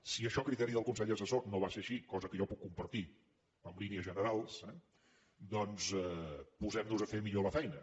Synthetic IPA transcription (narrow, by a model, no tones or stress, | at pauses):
siəʃɔkɾit̪ɛɾiðəlˠkunsɛʎəs̬əsonoβaseɾʃikɔzəkəʒɔpukːumpəɾt̪i | əmliniəzʒənəɾalˠsɛ | d̪ɔnzɛpuzɛmnuzəfemiʎoləfɛjnə